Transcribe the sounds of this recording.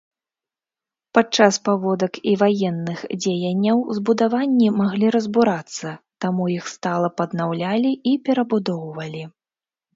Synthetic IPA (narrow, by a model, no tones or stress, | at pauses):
pat͡ʂaspavɔd̪ɐkivajɛnːɨxd͡zʲejɐnʲːɐwzbud̪avanʲːimaɣlʲiɾɐzbuɾat̪sːɐt̪amujixst̪alˠɐpɐd̪nawlʲalʲiipʲɛɾɐbud̪ɔwvɐlʲi